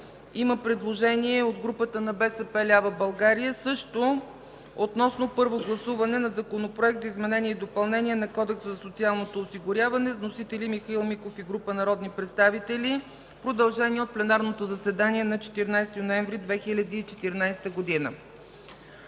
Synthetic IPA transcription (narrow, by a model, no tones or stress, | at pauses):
iməpɾɛd̪lˠoʒɛniɛod̪ɡɾupət̪ənɐbɛsɛpɛlʲavəbɐlˠɡaɾijəsɤʃt̪o | ot̪nɔsnopɤɾvoɡlˠɐsuvɐnɛnɐzɐkonopɾoɛk̚t̪zəizmɛnɛnʲiɛd̪opɐlˠnɛniɛnɐkɔd̪ɛksəzɐsot̪sialˠnot̪oːsiɡʊɾʲjavɐnɛznosit̪ɛlimixɐilˠmikofiɡɾupənɐɾɔd̪nipɾɛt̪st̪avit̪ɛlʲi | pɾod̪ɐlˠʒɛnʲiɛot̪̚plɛnaɾnot̪ozɐsɛd̪aniɛnɐt͡ʃɛ̥t̪iɾnajst̪inoɛɱvɾid̪vɛxilʲɐd̪iːt͡ʃɛ̥t̪iɾnajst̪əɡod̪inə̰